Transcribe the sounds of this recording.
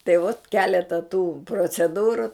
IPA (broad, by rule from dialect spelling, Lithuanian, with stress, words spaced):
tɐɪ ʋoːt ˈkʲæːlʲɛtɐ tuː proːt͡sʲɛˈduːrʊ